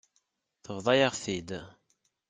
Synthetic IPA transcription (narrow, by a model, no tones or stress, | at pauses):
θəvðˤɑjəʁθid̪